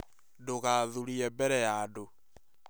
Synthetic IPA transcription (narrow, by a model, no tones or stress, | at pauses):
doɣaðuɾiɛmbɛɾɛjado